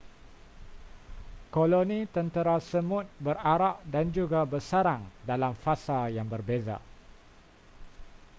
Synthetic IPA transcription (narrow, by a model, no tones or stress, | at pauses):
kolonĩt̪ənt̪əɾasəmʊt̪̚bəraɾaʔdand͡ʒuɡabərsaɾaŋdalamfasajaŋbərbeza̰